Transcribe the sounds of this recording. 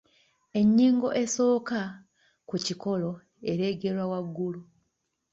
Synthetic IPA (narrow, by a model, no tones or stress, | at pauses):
e̞ɲːiːŋɡo̞ʔe̞so̞ːka | kuciko̞lo̞ | e̞ɾe̞ɡe̞ɾwawaɡːulu